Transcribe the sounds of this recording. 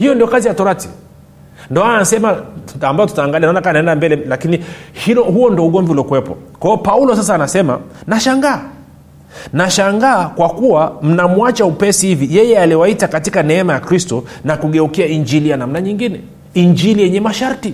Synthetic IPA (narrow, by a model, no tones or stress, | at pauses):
hijɔndiɔkazijatɔɾati̥ | ndiɔaanasɛmaambajɔtutaːŋɡalianaɔnakanaɛndambɛlɛlakinihilɔhuɔndiɔuɠɔmviulɔkuwɛpɔ̰kwaɔpaulɔsas̬aːnasɛma̰naʃaŋɡaː | naʃaŋɡaːkwakuwam̩namuat͡ʃaupɛsihivijɛjɛaliwaitakatikanɛɛmajakɾistɔnakuɠɛukiaiɲd͡ʒilianam̩naɲiŋɡinɛ | iɲd͡ʒilijɛɲɛmaʃaɾti